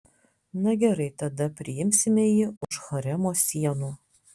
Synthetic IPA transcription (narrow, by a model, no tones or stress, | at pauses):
nɐɡʲɛɾɐɪt̪ɐd̪ɐpʲɾʲɪɪmʲsʲɪmʲɛjɪʊʃxɐɾʲɛmoːsʲiɛnuː